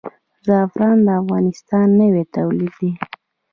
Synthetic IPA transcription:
zɑfɾɑnd̪əafɣɑnɪst̪ɑnːəwet̪awlid̪i

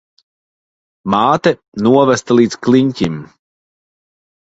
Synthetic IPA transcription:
maːt̪ɛ | nuɔvæst̪alˠiːskliɲʲcʲim

